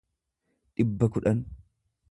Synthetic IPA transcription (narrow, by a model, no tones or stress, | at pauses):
ᶑɪbːɐkʊᶑɐn